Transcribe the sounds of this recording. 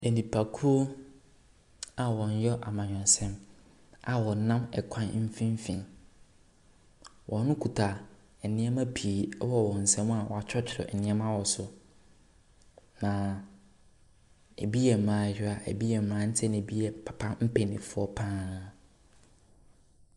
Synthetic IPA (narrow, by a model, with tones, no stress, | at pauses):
e˨nĩ˨pʰa˨kʰu˦o˦ | a˨wɔ̃˨ɲ˦jɔ˦ʔa˨mã˨ɲᶣ˨ɛ̃˨n˨sɛ̃˦m | a˨wɔ˨nã˦mɛ̰˨kʷʰã˦n˦m̩˦fĩ˦m˦fĩ˨n | wʔɔ̃˨˦nʊ̃˦kʰu˨tʰa˨ | ɛ˨nɪ̃˦ɛ˦mã˦pʰi˨˦wɔ˦wɔ̃˨n̩˨sɛ̃˦m˦a˨wɔ̰˨a˨t͡ɕʰᶣɔ˦t͡ɕʰɪ˨ɔ̰˨ʔɛ̰˨nɪ̃˦ɛ˦mã˦wɔ˨sʊ˨ | nã˨ | ḛ˨bi˦ɛ˨mɾãː˨˦˨jᶣɪ˦a˨ʔḛ˨bi˦jɛ˨m˨mɾãː˦n̩˦tʰɛ˦ñ˨e˨bi˦ɛ˨pʰḁ˨pʰa˦m̩˦pʰe˨nĩ˨fʊ˦ɔ˦pʰãː˦